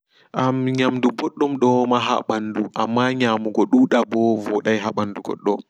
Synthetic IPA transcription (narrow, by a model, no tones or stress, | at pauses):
ʔamɲamdubɔɗːɔmɗɔmaɦa̰ɓanːduʔamːaɲamuɡɔɗuɗabɔvɔɗajɦaɓanduɡɔ̰ɗːɔ